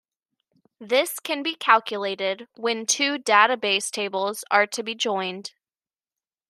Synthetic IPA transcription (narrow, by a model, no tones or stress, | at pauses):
ðɪskʰɨ̃nbikʰælˠkʰjəleɪɾɪd̚wɨ̃ntʰʉdaɾɨbeɪstʰeɪbl̩ˠz̥ə˞ɾɨbid͡ʒɔ̃ɪ̃nd̥